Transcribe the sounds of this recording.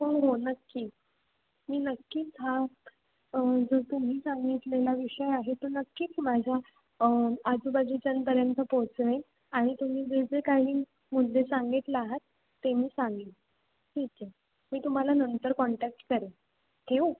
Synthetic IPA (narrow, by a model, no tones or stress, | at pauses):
poɳɦonəkːiː | miːnəkːiːt͡sɦa | əd͡zot̪um̤iːsãŋɡit̪lelaʋiɕəjaɦet̪onəkːiːt͡smad͡ʑʱa | ad͡zubad͡ʑiːt͡ɕənpəɾjənt̪əpot͡sʋe | aɽ̃it̪um̤iːd͡zed͡zekaɦiː | mud̪lesaŋɡit̪leaɦət̪ː | emiːsãŋɡi | ʈʰit͡ɕe | miːt̪um̤alanənt̪əɾkɔɳʈæk̚ʈkəɾe | t̪ʰeu